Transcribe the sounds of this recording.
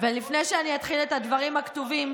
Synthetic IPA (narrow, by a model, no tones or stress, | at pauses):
velifne̞jʃeaniat̪χilet̪ad̪vaʁimakt̪uvim